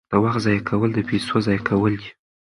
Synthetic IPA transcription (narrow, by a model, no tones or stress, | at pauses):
əwaxt̪zɑjakʰawəld̪əpesozɑjakʰawəld̪i̥